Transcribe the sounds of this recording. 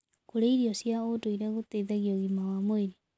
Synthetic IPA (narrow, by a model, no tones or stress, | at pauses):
koɾeiɾiɔsjaodoiɾɛɣoteiðaɣiɔɣimawamoeɾi